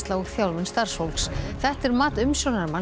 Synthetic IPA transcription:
t̪laɔɣθjawlvɪnst̪aɾ̥showlksθɛht̪ɛɾmaːt̪ʏmsjɔwnaɾma

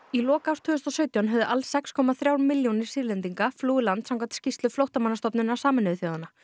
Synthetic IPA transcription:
ilɔːkawst̪ʰʏːðʏst̪ɔsœːɥt̪jawnɦœvðʏʔalsːɛkskʰɔmaθɾjawɾmiljonɪɾ̥siːɾlɛnt̪iŋkafluːɪlant̪sãŋkʰant̪scist̪lʏflowht̪amanːast̪ɔpnʏnasaːmɪnʏðʏθjoːwðana

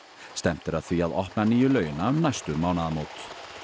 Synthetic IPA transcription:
st̪ɛm̥t̪ɪɾaðθviaðɔhpnaniːjʏlœːɥjʏnaʏmnajst̪ʏmaːwnaðamoːwt̪

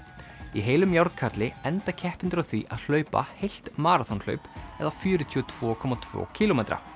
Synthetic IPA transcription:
iɦeːjlʏmjawɾt̪kʰaɾt̪lɪɛnt̪acʰɛhpɪnt̪ʏɾaθvḭʔaðl̥œːɥpa̰hejl̥t̪maːɾat̪ʰɔnl̥œ̰ɥpɛ̰ðafjʏːɾʏt̪ʰyɔt̪ʰv̥ɔːkʰɔmat̪ʰv̥ɔ̰ːcʰiːlomejt̪ɾa̰

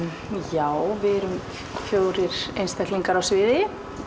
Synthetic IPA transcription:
jaːwvɪɾʏm | fjoːwɾɪɾ̥ejnst̪ajkt̪liŋkaɾawsvɪːðɪ

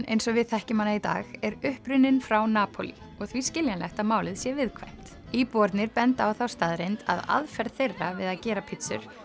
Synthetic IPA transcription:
ḛjnsɔvɪðθɛhcɪmanait̪a̰ːɣɛɾʏhpɾʏnɪnfɾawnaːpʰo̰lḭ | ɔɣθviscɪljanlɛht̪amaːwlɪðsjɛvɪðkʰvajm̥t̪ | iːpɔɾt̪nɪɾpɛnt̪awθawst̪aðɾejnt̪a̰ða̰ðfɛɾðθejrːavɪðaðcɛːɾapʰɪt̪sʏ̰ɾ̥

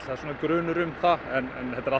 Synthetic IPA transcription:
θaðsuːnkɾœːnʏɾʏmθaɛnɛnhɛt̪ːaɾa

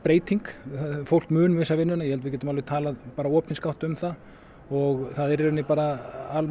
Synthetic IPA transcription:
pɾeːjt̪iŋkfowl̥kmʏːnʏvɪsːavɪnːʏnajɛhɛlvɪcɛt̪ʏmalvɪt̪ʰaːlaðpaːɾaɔːpniskawht̪ʏmθað | ɔɣθaðɛɾɛɾʏnɪpaːɾaal

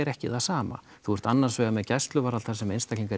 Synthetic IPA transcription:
ɛɾɛhcɪθasaːma̰ | θuɛɾ̥t̪anːaɾ̥svɛːɣamɛðcɛst̪lʏvaɾalθaɾsɛmejnst̪akliŋkaɾ

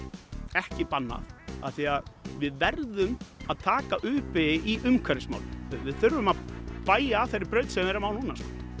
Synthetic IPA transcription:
ɛhcɪpanːa̰θa̰θiaðvɪðvɛɾðʏmaðt̪ʰaːkaʔʏːpɪiʔʏmkʰvɛɾɪsma̰wlɪvɪðθʏɾvʏmaðpaːjaθejɾːɪɾpɾœɥt̪sɛmvɛɾɪɾmawlhuːnaskɔ̥

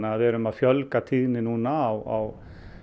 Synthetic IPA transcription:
aaðvɛːɾʏmaðfjœlkat̪ʰiðnɪnuːnaːwa̰w

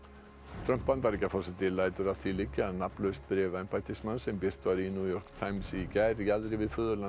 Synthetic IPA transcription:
t̪ʰɾœm̥pːant̪aɾicafɔsat̪ɪlaːjt̪ʏɾaðθilɪcːɪaðnaplœst̪̚pɾɛːvaɛnpaːjt̪ɪsmansɛmpɪr̥t̪vaɾinjuːjɔr̥kt̪ʰaːjmsicɛɾjaðɾɪvɪðfʏːðʏɾla

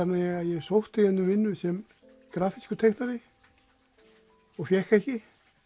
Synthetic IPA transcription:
at̪nɛaðjɛɣsowht̪ɪɛnːʏmvɪnːʏsɛm | kɾaːfiskʏt̪ʰejknaɾɪ | ɔɣfjɛhkɛhcɪ

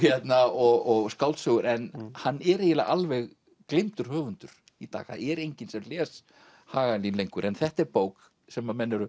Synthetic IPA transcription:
çɛt̪naɔɣɔɣskawlt̪sœːɣʏɾʔɛnhanːɛɾejɪla̰ʔalvɛɣ | klent̪ʏɾ̥hœːvʏnt̪ʏɾ̥ | it̪a̰ːɣθa̰ðɛɾejɲcɪnsɛmlɛːs | haːɣalinlejŋkʏɾʔɛnθɛht̪ɛɾpoːwk | sɛmːamɛnːaɾʏ

